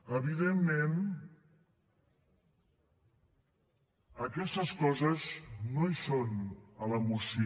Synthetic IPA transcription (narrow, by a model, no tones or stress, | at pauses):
əβiðemːen | əkɛst̪əskɔzəznoisonələmusi